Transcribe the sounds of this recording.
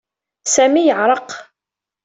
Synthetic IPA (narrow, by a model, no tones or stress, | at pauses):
sæmijəʕɾˤəq